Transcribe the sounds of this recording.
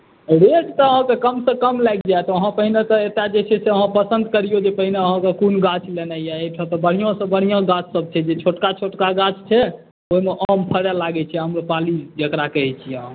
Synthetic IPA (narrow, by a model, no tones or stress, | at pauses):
ɔɾekt̪ɔəɦãkekəmsə̃kəmlajk̚ʰd͡ʒaet̪ɔəɦãpəɦinet̪ɔet̪ad͡ʒet͡ʃʰɛseəɦãpəsənd̪̚kəɾijod͡ʒepəɦineəɦãkekunɡat͡ʃʰlenaijaeʈʰət̪ɔbəɽ̤ijõsə̃bəɽ̤ijãɡãt͡ʃʰsəb̚t͡ʃʰɛd͡ʒet͡ʃʰoʈkat͡ʃʰoʈkaɡat͡ʃʰt͡ʃʰɛ | oimeʔəmpʰəɾɛlaɡɛt͡ʃʰɛɦəmɾopalid͡ʒəkɾakəɦɛt͡ʃʰiəɦã